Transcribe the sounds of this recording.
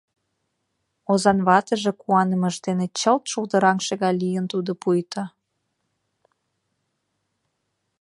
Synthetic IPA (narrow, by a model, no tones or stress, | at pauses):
ozɑnβɑt̪əʒĕkuɑnə̆mə̆ʃd̪enet͡ɕəlt̪ʃuld̪əɾɑŋʃeɣɑjlijənt̪ud̪opujt̪ʰə